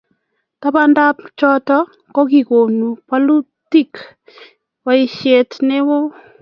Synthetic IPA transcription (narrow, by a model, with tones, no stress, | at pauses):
ta˦ba˦nda˦p̚t͡ʃɔ˦tɔ˦ | kɔ˦ɡi˨ko˨nu˨pa˦lu˦ | ti˦k | wa˨i˨ʃe˨tnɪ˦wʊ˦